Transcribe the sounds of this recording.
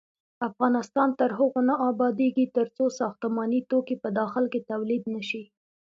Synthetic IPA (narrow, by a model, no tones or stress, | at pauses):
afɣɑnɪst̪ɑnt̪əɾɦəɣonaʔɑbɑd̪eɡit̪əɾt͡sosɑxt̪ʊmɑnit̪okipəd̪ɑxɪlket̪awlid̪nəʃi